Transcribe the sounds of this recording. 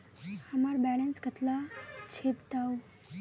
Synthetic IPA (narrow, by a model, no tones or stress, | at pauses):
əmaɾbɛlənskət̪lat͡ɕʰept̪awu